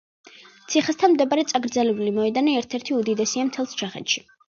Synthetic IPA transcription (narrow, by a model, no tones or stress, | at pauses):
t̪sʰiχast̪ʰanmd̪ɛbaɾɛt̪sʼaɡɾd̪zɛlɛbulimɔɛd̪anɛɛɾt̪ʰɛɾt̪ʰiud̪id̪ɛsiamt̪ʰɛlˠst͡ʃʰaχɛ̰t̪ʃi̥